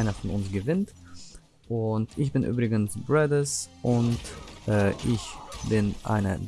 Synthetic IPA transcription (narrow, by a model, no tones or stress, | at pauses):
ɪnaχtn̩ʊnsɡ̥əvɪnt | ʔʊntʔɪçb̥ɪnʔy̰ːbʁɪɡənsbʁɛdəsʔʊntʔɛːʔɪçbɪnʔa̰ɪnə̰d